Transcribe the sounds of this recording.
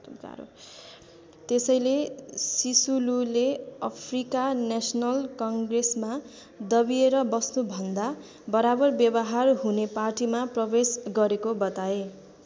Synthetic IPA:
a̰ɾ̰ | t̪esʌjlesisululeʌpʰrikanesʌnʌlkʌŋɡresma | d̪ʌbieɾʌbʌsnubʱʌnd̪a | bʌɾabʌrbjʌbʌɦarɦuneparʈimaprʌbesɡʌɾekobʌt̪ae

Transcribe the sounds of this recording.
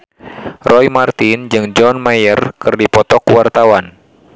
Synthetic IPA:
rɔjmart̪ind͡ʒɨŋd͡ʒɔnmajərkɨrdipɔt̪ɔkuwart̪awan

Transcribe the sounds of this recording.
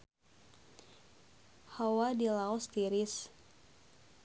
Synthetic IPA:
hawadilaɔst̪iɾis

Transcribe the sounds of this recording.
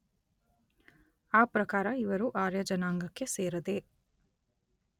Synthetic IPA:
aːpɾɐkaːɾɐiʋɐɾuʔaːɾjɐd͡ʒɐnaːŋɡɐkːe̞seːɾɐd̪e

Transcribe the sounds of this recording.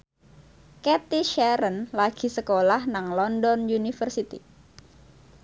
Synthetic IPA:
ket̪iʃɛɾənlaɡ̥i̤səkolahnaŋlɔndɔnjunifərsit̪ḭ

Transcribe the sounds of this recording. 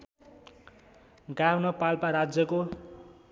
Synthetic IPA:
ɡawnʌpalpaɾad͡zjʌko

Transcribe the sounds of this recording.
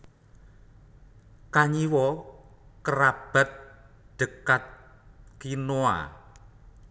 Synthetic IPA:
kaɲiwɔ | kəɾab̥a̤t̪̚ | ɖ̪̥ə̤kat̪̚ | kinoa̰

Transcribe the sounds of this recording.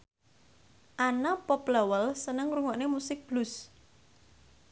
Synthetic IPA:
ʔanapɔplawəlsənəŋɾuŋɔʔnemusɪk̚b̥lʊs

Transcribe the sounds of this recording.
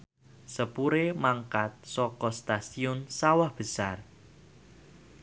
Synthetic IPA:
səpuɾemaŋkat̪̚sɔkɔst̪asiʊnsawahb̥əsar

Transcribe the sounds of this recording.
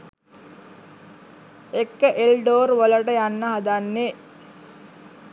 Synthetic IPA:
ekːəʔelɖoːɾʋələʈəjanːəɦad̪anːe

